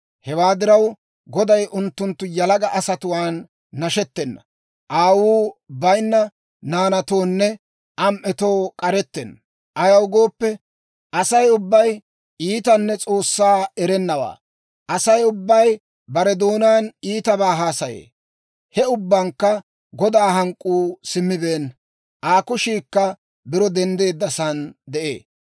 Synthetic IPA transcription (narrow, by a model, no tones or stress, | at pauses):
hɛwaːd̪ɪɾɐw | ɡɔd̪ɐjʔʊnt̪ːʊnt̪ːʊjɐlɐɡɐʔɐsɐt̪ʊwaːnː | ɐʃɛt̪ːɛnːɐ̰ | ʔaːwuːbɐjnːɐ | naːnɐt̪o̞ːnːɛ | ʔɐmʔɛt̪o̞ːkʼɐɾɛt̪ːɛnːɐ | ʔɐjɐwɡo̞ːpːɛ | ɐsɐjʊbːɐj | iːt̪ɐnːɛt͡sʼo̞ːsːaːɛɾɛnːɐwa̰ː | ʔɐsɐjʊbːɐj | bɐɾɛd̪oːnaːniːt̪ɐbaːɦaːsɐjḛː | hɛʊbːɐŋkːɐ | ɡɔd̪aːhɐŋkʼːuːsɪmːɪbeːn | ʔaːkʊʃiːkːɐ | bɪɾɔd̪ɛnd̪e̞ːd̪ːɐsɐnd̪ɛʔḛː